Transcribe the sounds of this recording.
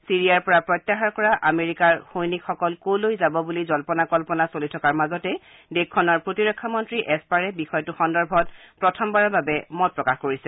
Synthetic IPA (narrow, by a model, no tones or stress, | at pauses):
siɹijaɹpɔɹapɹɔjtːaxaɹkɔɹaʔameɹikaɹxojnikxɔkɔlkowlojzabɔbulizɔlpɔnakɔlpɔnasolitʰɔkaɹmazɔtɛ | dekʰːɔnɔɹpɹotiɹɔkʰːamɔntɹiʔɛspaɹɛbixɔjɔtuxɔndɔɹbʱɔtpɹɔtʰɔmbaɹababɛmɔt̚pɹɔkaxkoɹisɛ